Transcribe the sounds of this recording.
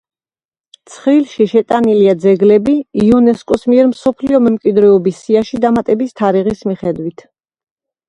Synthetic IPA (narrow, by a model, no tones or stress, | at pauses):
t̪sʰχɾilʃiʃɛt̪ʼaniliad̪zɛɡlɛbiiɔnɛskʼɔsmiɛɾmsɔpʰliɔmɛmkʼwid̪ɾɛɔbisiaʃid̪amat̪ʼɛbist̪ʰaɾiʁismiχɛd̪wit̪ʰ